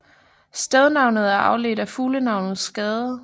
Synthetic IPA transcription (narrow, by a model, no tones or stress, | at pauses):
sd̥ɛðˠnɑ̈ʊnəð̩ˠæɐʔɑ̈ʊle̝̰d̥æfuːlənɑ̈ʊnð̩ˠsːɡ̥ɛːð̞ˠə